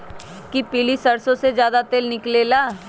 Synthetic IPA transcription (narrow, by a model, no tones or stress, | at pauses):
kipilisɐɾsõsezjaːd̪at̪eːlnɪklelaː